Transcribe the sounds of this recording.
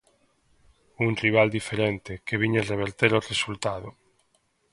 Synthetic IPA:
unriβ̞ald̪ifeɾent̪ekeβ̞iɲereβ̞eɾt̪eɾoresult̪að̞o

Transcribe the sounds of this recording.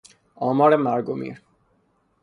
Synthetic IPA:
ɔmaɾemaɾɡomḭɾ

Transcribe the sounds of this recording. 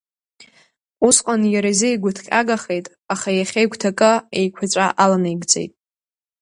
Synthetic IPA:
usqʼanjaɾazejɡʷʊtʰχʲʼa̰ɡaχe̞jtʼ | aχajaχʲejkʷtʰakʼɨḛjkʷʰat͡ɕʷʼaʔalanajɡd͡zʼḛjtʼ

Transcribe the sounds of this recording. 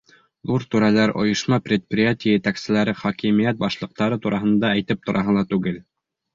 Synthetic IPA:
ðuɾt̪uɾælæɾʔŏ̰jɤ̆ʃmɑprʲɪt̪̚prʲɪjatʲɪjəjɘt̪æksɘ̆læɾɘχɒkimijæt̪̚bɑʃlˠɤ̆q̚t̪ɑɾɤt̪uɾɑɦɤ̆nd̪ɑæjt̪ɘp̚t̪ŏɾʔɑɦɤ̆lˠɑt̪ʉɡɘl

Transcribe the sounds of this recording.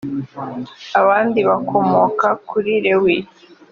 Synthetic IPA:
aβaːndiβakʰo̞mokakuɾiɾewi

